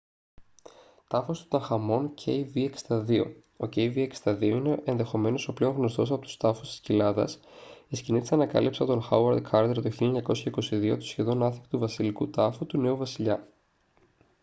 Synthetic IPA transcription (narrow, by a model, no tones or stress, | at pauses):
t̪ɐfost̪o̥t̪ɐxɐmo̞ncʰe̞jviekst̪ɐðio̞̰ | o̞ce̞jviekst̪ɐðio̞ine̞ʔenðe̞xo̞me̞no̞so̞ple̞oŋɣno̞st̪o̞sɐpo̞t̪u̥st̪ɐfost̪i̥scilɐðɐ̰s | isciniθi̥sɐnɐkɐ̰lipsɐt̪o̞nxɐwɐɾd̪kʰɐɾd̪eɾt̪o̞çiʎeɲɐko̞sçɐiko̞siðiot̪u̥sçe̞ðo̞nɐθi̥kt̪uvɐsilikut̪ɐfut̪une̞uvɐsiʎɐ